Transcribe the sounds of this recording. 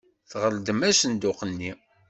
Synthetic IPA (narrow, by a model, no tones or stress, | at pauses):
θʁəld̪əmæsənd̪ʊqənːi